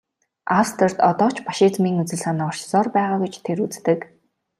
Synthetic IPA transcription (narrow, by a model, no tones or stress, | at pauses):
awst̪ʰĕr̥t̪ɔt̪ɔːt͡ɕʰpaʃit͡smiːŋut͡sɘ̆ɮsanːɔr̥t͡ɕsɔːrpæːʁaːɡut͡ɕt̪ʰeɾut͡st̪ɘ̆k